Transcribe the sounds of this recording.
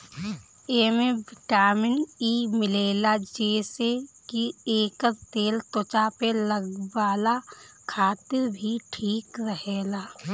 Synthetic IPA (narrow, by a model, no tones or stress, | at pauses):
eːmẽʋɪʈaːmɪnimɪleːlad͡ʒeːsekieːkəɾt̪eːlt̪ot͡ʃapeləɡwaːla | kʰaːt̪ɪɾbʱiʈʰiːkɾəɦeːlaː